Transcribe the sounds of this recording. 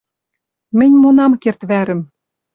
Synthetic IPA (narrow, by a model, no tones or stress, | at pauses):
mɘ̆nʲmonɑmkert̪βæɾɘ̆m